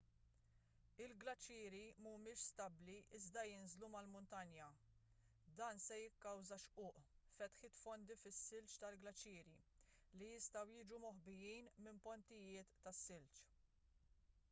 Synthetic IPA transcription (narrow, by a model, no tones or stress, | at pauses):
ɪlɡlɐt͡ʃːɪːɾimumɪːʃst̪ɐbliʔɪzd̪ɐjɪnzlumɐlmʊnt̪ɐnjɐ | d̪ɐːnsɛjɪkːɐwzɐʃʔʊːʔfɛt̪ħɪt̪fɔnd̪ifɪsːɪlt͡ʃt̪ɐlɡlɐt͡ʃːɪːɾi | lijɪst̪ɐwjɪːd͡ʒumɔħbɪjijnmɪmpɔnt̪ɪjɪːt̪ːɐsːɪlt͡ʃ